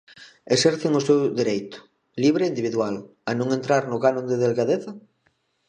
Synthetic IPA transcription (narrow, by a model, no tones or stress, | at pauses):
esɛɾθeŋʊsewðeɾejt̪ʊ̥ | liβ̞ɾeind̪iβiðwal | anõŋent̪ɾaɾnʊɣanõnd̪eðelɣaðeθa